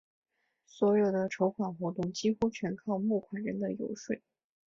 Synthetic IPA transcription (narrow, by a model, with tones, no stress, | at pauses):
swɔ˧˥jo˨˩ʊd̪ə˦ʈ͡ʂʰo˧˥ʊkʰwa˨˩nxwɔ˧˥t̪ʊ˥˩ŋt͡ɕi˥xu˥t͡ɕʰɥɛ˧˥nkʰɑ˥˧ʊmu˥˩kʰwa˨˩nɻə˧˥nd̪ə˧jo̰˧˥ʊʂwe˥˩ɪ